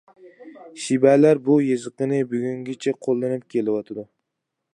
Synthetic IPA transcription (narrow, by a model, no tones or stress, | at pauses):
ʃɪbalaɾbʊjɪzɨqɨnɪbʊɡʲʊŋɡʲɪt͡ʃʰaqʰolˠːanɪp̚kʲʰe̞lɪwɒt̪ʰad̪ʊ